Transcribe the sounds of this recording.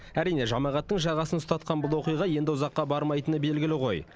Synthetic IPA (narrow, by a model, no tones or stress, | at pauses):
æɾijne̞ʒɑmɑʁɑt̪ːəɴʒɑʁɑsənʊst̪ɑt̪̚qɑnbʊlˠwo̞qijʁɑje̞nd̪ɪʊzɑqːɑbɑɾmɑjt̪ənəbe̞lɡʲɪlɪʁo̞j